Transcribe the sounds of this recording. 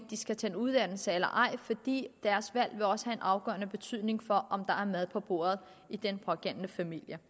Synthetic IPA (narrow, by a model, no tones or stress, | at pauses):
d̥isɡ̥æt͡sʰænuð̞ˠd̥æn̰l̩səelɐ̰ʔɑ̈ɪ̰fɒ̽d̥ḭːd̥æɐsʋæl̰ʋe̝ɒ̽sə̥hæe̝nʔɑ̈ʊɡ̥ɶ̰ːɐnəb̥e̝t͡sʰy̰ð̰ˠne̝ŋfɒ̽ʔɒ̽md̥ɑ̈æɐmæð̞ˠpʰɒ̽b̥o̝̰ːɐð̞̩ˠ | id̥enpʰʁɒɡ̥æn̰nəfæmil̰jə